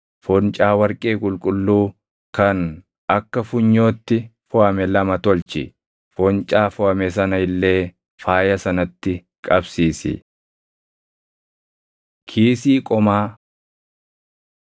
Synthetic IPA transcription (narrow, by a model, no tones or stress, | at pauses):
fɔnt͡ʃʼaːwɐɾkʼe̞ːkʼʊlkʼʊlːuː | kɐn | ɐkːɐfʊɲːo̞ːt̪ːɪfʊʔɐmɛlɐmɐt̪ɔlt͡ʃɪ | fɔnt͡ʃʼaːfʊɐmɛsɐnɐɪlːe̞ː | faːjɐsɐnɐt̪ːɪ | kʼɐbsiːsɪ̰ | kʰiːsiːkʼɔmaː